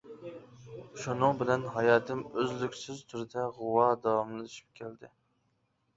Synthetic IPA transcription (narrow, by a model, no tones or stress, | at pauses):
ʃunɨŋbɪlɛnɦɑjɑːt̪ʰɪmøzlykʲsɪzt̪ʰuɾɪd̪ɛʁʊwɑd̪ɑwɑmlɨyʃi̥p̚kʲʰæld̪ɪ